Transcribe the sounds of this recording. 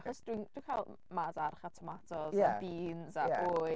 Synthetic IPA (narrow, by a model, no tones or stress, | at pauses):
χɔsd̥wind̥winkʰalˠ | madarχatʰɔmatʰɔzabiːnzaaoːj